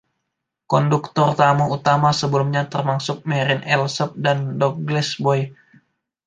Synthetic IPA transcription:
kɔndukt̪ɔrt̪amuut̪amasəbəlumɲat̪ərmaksʊk̚mɛɾɪnʔɛlsəp̚dandɔk̚ɡlɛsbɔj

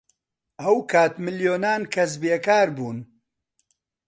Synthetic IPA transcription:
ʔɐwkʰaːt̪mɨljoːnaːnkʰɐs̬beːkaːɾbuːn

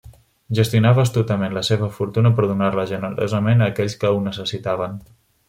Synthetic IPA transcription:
ʒəst̪junaβəːst̪ut̪əmenləseβ̞əfuɾt̪unəpəɾðunaɾləʒənəɾo̰zəmenəːkɛʎʲskəwnəsəsit̪aβ̞ən

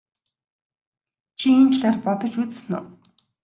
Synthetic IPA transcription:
t͡ɕʰient̪ɮaːrpɔt̪ɞ̆t͡ɕut͡ss̆nʊ̰ː

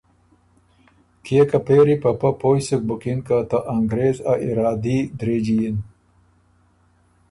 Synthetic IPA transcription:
kijekɐpeːɾipɐpɐpoːjsuk̚bukinkat̪ɐʔɐŋɡɾeːzaʔiɾaːd̪id̪ɾeːd͡ʑijin

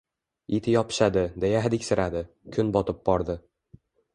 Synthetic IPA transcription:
it̪ʰɪjɒpʰɪ̥ʃad̪ɪd̪ejaɦd̪ɪkʲsɪɾad̪ɪ | kʲʰʊnbɒt̪ʰɪp̚bɒɾd̪ɪ

